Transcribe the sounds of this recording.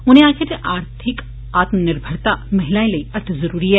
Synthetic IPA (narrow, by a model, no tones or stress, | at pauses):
ʊn̤ɦẽaːkʰad͡ʒeʔaːɾt̪ʰɪk | aːt̪mnɪɾbʱəɽt̪amɐɦɪlaːẽlɐiɐɾt̪ʰzɐɾuːɾiɦɛː